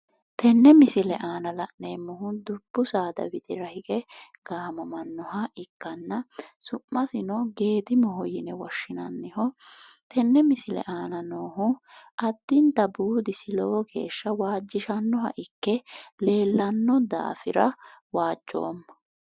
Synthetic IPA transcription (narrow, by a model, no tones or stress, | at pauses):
t̪ʰɛnːɛmɪsɪlɛʔaːnɐlɐʔneːmːɔhʊd̪ʊb̥ːʊsaːd̪ɐ̰bɪt̪ʼɪɾɐhɪkʼɛ | ɡ̥aːmɔmɐnːɔɦɐʔɪkːɐnːɐsʊʔːɐsɪnɔɡe̞ːt̪ɪmɔɦɔjɪnɛwɔʃːɪnɐ̰nːɪhɔt̪ʰɛnːɛmɪsɪlɛ̰ʔaːnɐnoːɦʊ | ʔɐd̪ːɪnt̪ɐbuːd̪ɪsɪlɔwɔke̞̰ːʃːɐwaːd͡ʒːɪʃɐnːɔɦɐ̰ʔɪkːɛle̞ːlːɐnːɔd̪a̰ːfɪɾɐwaːd͡ʒːo̞̰ːmːɐ